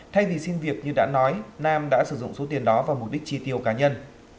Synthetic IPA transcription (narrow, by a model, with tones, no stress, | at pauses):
t̪ʰa˧jvi˨˩si˧nvi˨˩ək̚ɲɨ˧ɗa̰ː˧˥nɔ˨˦jnaː˧mɗa̰ː˧˥sɨ˧˩zʊ̰˧˨ŋ͡mso˨˦t̪i˨˩ənɗɔ˨˦vaː˨˩mʊ˨˩k͡p̚ɗi˦˥k̚t͡ɕi˧t̪i˧˩əwkaː˨˦ɲə˧n